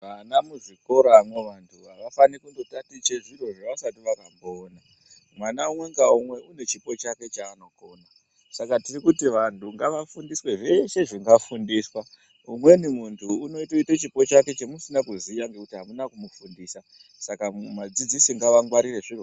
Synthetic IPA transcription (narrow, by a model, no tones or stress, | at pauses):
ʋanamuʐiko̞ɾamwe̞ʋantʰuɦaʋafanikuŋdo̞tatit͡ʃe̞ʐiro̞ʐeʋasatiʋakamboːna | mwanaumwe̞ŋɡaumwe̞une̞t͡ʃipo̞t͡ʃake̞t͡ʃaːno̞ko̞ːna | sakatirikutiʋantuŋɡaʋafundiswe̞ʐe̞ʃe̞ʐiŋɡafundiːswa | umwe̞nimuntʰuːno̞itoitat͡ʃipo̞t͡ʃake̞t͡ʃemusinakuzijaŋɡe̞kutiɦamunakumufundiːsa | sakamad͡zid͡zisiŋɡaʋaŋɡwaɾire̞ʐir